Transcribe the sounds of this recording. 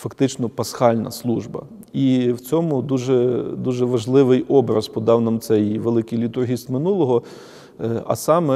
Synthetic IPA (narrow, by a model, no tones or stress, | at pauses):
fɐkt̪ɪt͡ʃnɔpɐsxɑlʲnɐ̰slˠuʒbɐ̰ | iwt͡sʲɔmʊd̪uʒɛd̪uʒɛʋɐʒlˠɪʋɪjʔɔbɾɐspɔd̪ɑwnɐmt̪sɛjʋelˠɪkɪjlʲit̪ʊrɦʲist̪mɪnulˠɔɦɔ | ɐ̰sɑmɛ